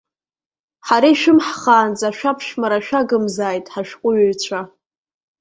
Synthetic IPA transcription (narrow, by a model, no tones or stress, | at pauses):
ħaɾaiʃᶣɪmħχaːnd͡zʼaʃᶣapʰʃmaɾaʃᶣaɡɨmzaːjtʼħaʃᶣqʷʼʊɥaɥt͡ɕʷʰa